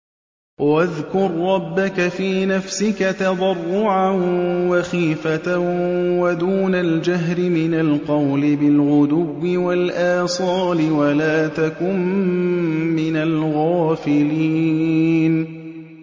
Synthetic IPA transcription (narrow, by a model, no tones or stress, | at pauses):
waðkʊɾːɑbːakafiːnafsɪkat̪ɑd̪ˤɑrˤːʊʕanwaxiːfat̪awad̪uːnald͡ʒaɦɾɪmɪnalqɑwlɪbɪlʕʊd̪ʊwːɪwalʔaːsˤɑːlɪwalaːt̪akʊm | mɪnalɣaːfɪliːn